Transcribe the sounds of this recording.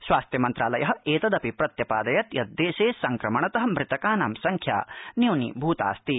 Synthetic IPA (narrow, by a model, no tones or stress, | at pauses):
sʋaːst̪jɐmɐnt̪ɾaːlɐjɐɦɐ̆eːt̪ɐd̪ɐpipɾɐt̪jɐpaːd̪ɐjɐt̪jɐt̪̚d̪eːʃeːsɐŋkɾɐmɐɳɐt̪ɐɦɐ̆mɾɪt̪ɐkaːnamsɐŋkʰja̰ːniwnḭbʱuːt̪a̰ːst̪i